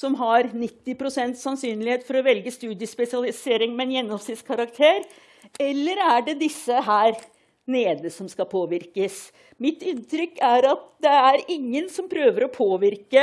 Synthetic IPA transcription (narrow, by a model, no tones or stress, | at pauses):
sɔmɦɑɾnɪt̪ːɪpɾʊsɛnt̪sɑnsyːnlɪheːt̪fɔɾɔʋɛlɡəst̪ʉːd̪jəspɛsɪɑlɪseːɾɪŋmɛɛnjɛnːɔmsɪt̪skʰɑɾɑkt̪ʰeːɾ | ɛlːəɾæɖɛd̪ɪsːəɦæːɾ | neːd̪əsɔmskɑpʰoːʋɪɾkəs | mɪt̪ɪnt̪ʰɾʏkːæɾɑt̪̚d̪ɛæɾɪŋːənsɔmpʰɾøːʋəɾɔpʰoːʋɪɾkə